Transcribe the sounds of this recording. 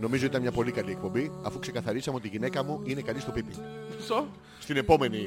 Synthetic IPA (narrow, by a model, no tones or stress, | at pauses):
no̞mizot̪it̪ɐnmɲɐpo̞likɐlie̞k̚po̞mbiɐfukse̞kɐθɐɾisɐme̞o̞t̪iʝine̞kɐmuine̞kɐnist̪o̞pipiso | st̪ine̞po̞me̞ni